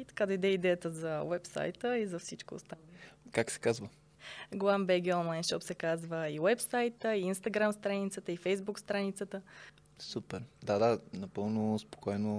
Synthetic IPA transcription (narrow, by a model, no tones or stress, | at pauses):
it̪ɐ̥kad̪ɐid̪ɛid̪ɛjət̪əzɐwɛpsa̰jt̪əizɐfsit͡ʃko̰ːst̪akaksɛ̥kazvə | ɡlˠambɛɡʲiɔnlˠajnʃɔpsɛkazvəiwɛpsajt̪əiinst̪ɐɡɾamst̪ɾanit̪sət̪əifɛjzbukst̪ɾanit̪sət̪ə | supɛɾd̪ad̪anɐpɤlˠnospo̥kɔjno